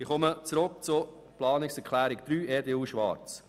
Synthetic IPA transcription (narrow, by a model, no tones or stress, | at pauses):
ɪχɔmət͡sɾʊk̚t͡sʊ | plɑːnɪksɛkʰlæːɾɪkd̥̪ɾyːɛːɾdeuʃʋɑ̰ɾt͡s